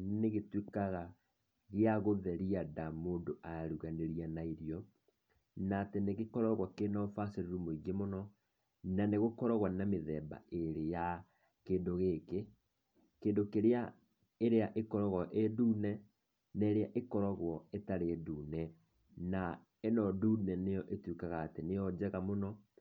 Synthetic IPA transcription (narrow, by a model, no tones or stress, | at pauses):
neɣetwekaɣa | ɣeaɣoðɛɾiadamondoʔaɾuɣaneɾianaeɾjɔ | natɛneɣekɔɾɔɣwakenɔfaseɾeɾumoiɣemonɔ | naneɣokɔɾɔɣwanameðɛːba̰eɾeja | keːndoɣeke | keːndokeɾea | eɾeaʔekɔɾɔɣɔʔeduːnɛ | neɾeaʔekɔɾɔɣwɔetaɾeːduːnɛ | na | enɔdunɛnejɔʔetwekaɣaːtenejɔd͡ʑɛɣamonɔ